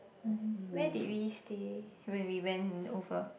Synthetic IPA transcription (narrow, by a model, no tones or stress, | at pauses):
m̩mm̩wɛdit̚wistewɛ̃nwiwɛ̃novə